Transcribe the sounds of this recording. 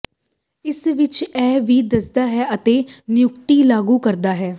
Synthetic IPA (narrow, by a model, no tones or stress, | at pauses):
ɪsʋɪt͡ʃɛːʋiːd̪əsd̪aːɦɛːət̪eːnɪjʊkt̪iːlaːɡuːkəɾd̪aːɦɛː